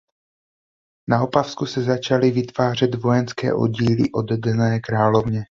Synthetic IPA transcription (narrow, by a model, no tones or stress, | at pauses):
nao̞pafskusɛzat͡ʃalɪvɪt̪v̥aːr̝ɛd̪vo̞jɛnskɛ̰ːʔo̞̰ɟiːlɪʔo̞d̪dɛnɛːkɾaːlovɲɛ